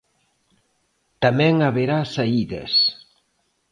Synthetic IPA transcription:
t̪amɛ̃ŋaβeɾasaiðɐ̰s

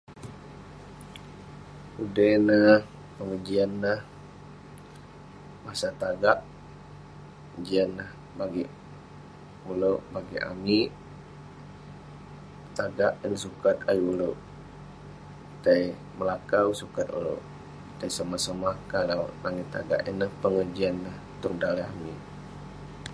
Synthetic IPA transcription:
udənah | pəŋəd͡ʒianːah | masat̪aɡaʔ | d͡ʒianːah | baɡi | uloʔbaɡiʔa̰miʔ | t̪aɡaʔənsukat̪ajuloʔ | daj | məlakawsukat̪ṵlo̰ʔ | dajsamasəmahkalawnaŋit̪a̰ɡa̰ʔinəhpəŋəd͡ʒianːah | t̪ʊŋdalaa̰mi

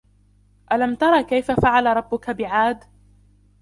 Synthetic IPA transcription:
ʔalamt̪ɑɾˤɑːkajfafaʕalaɾˤɑbːʊkabɪʕaːd̪

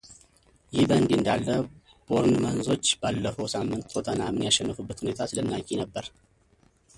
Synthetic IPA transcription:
jɪhbənd̪ɨnd̪alːə | b̥o̞ɾnmanzo̞t͡ʃːbalːəfəwsamːɨnt̪ʰʼot̪ʰənamɨnjaʃɛnːɨfɨbːət̪hune̞t̪ʰasɨlənːakʼːinəbːəɾ

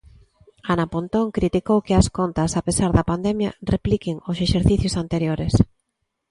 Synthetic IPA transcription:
anapont̪oŋkɾit̪ikowkɪɐskont̪ɐsapesaɾðɐpand̪ɛmjɐ̰replikɪŋʊseʃeɾθiθjʊsant̪eɾjoɾes

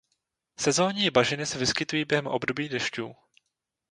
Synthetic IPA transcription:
sɛzo̞ːɲiːbaʒɪnɪsɛvɪskɪt̪ujiːbjɛɦɛmʔo̞bdo̞biːdɛʃcuː

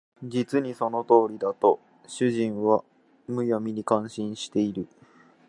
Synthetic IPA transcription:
d͡ʑit͡sɨɲ̟iso̞no̞t̪o̞ːɾʲid̪at̪o̞ | ɕɨʑĩɰ̃βa | mɯ̟jomʲiɲ̟ikãɰ̃ɕĩɰ̃ɕi̥t̪e̞iɾɯ̟

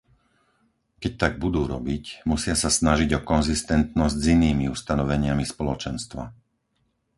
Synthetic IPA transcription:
kɛc̚t̪aɡ̚bud̪uːɾɔbicmusɪasasnaʒiɟɔkɔnzist̪ɛnt̪nɔzɟziniːmiust̪anɔʋɛɲɪamispɔlɔt͡ʃɛnst̪ʋa̰

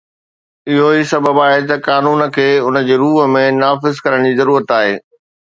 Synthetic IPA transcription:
ɪɦoisɐbəbaːɦet̪ɐkaːnuːnə̆kʰeːʊnə̆d͡ʑeːɾuːɦəmẽnaːfɪzkɐɾəɽ̃d͡ʑiːzɐɾuːɾət̪aːɦḛː

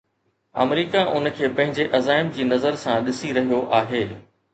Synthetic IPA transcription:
ɐ̰mɾiːkaʔʊnəkʰeːpɐ̃ɦɪ̃ɲd͡ʑeʔɐzaːɪmd͡ʑiːnɐzəɾsãɗɪsiɾɐɦijoʔaːɦeː

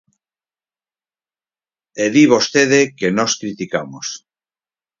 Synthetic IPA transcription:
eðiβ̞ost̪eð̞ekenoskɾit̪ikamos

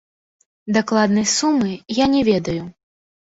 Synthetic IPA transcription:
d̪aklˠad̪nɐjsumɨjanʲɛvʲɛd̪ɐju

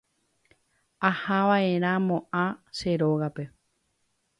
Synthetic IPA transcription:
ahaʋaeɾ̃ãmõʔãʃe̞ɾoɣape̞

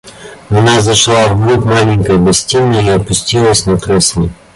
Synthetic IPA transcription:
ɐnazɐʂlˠavɡɾupmalʲɪŋʲkɐjɡɐsʲtʲinːəiɐpʊsʲtʲilˠəsʲnɐkɾɛsʲlʲɪ

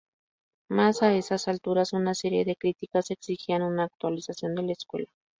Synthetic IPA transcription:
masaesasalt̪uɾasunaseɾjeðekɾit̪ikaseksixianunaːk̚t̪ualisasjo̞nd̪eleskwḛla

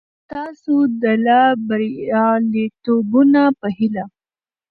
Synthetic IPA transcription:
t̪ɑsod̪əlabaɾɑlet̪obunapəɦɪla

